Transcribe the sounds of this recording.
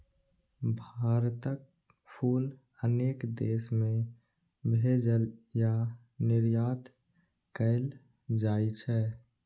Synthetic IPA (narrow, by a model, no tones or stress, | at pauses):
bʱaːɾt̪ək̚ | pʰuːl | əneːkd̪eːsmẽ | bʱed͡ʒəlja | nɪɾjaːt̪ | kəɪl | d͡ʒaːit͡ʃʰɛː